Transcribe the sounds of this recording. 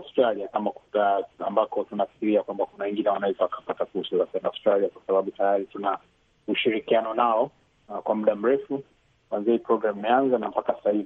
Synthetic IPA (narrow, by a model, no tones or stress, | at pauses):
awstɾaliakamakuaambakɔtunafi̥kiɾiakwambakunawɛŋɡinɛwanaizɔakḁpatakuɾsazakɛnaustɾaliakwasaɓaɓutajaɾituna | uʃiɾikianɔnaɔ | kwamuɗam̩ɾɛfu | kwanziaipɾɔɡɾamimɛanzanam̩pakasahivi